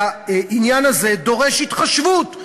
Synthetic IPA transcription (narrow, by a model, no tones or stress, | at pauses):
ʔinjanaze̞d̪o̞ʁeʃhit̪χaʃvut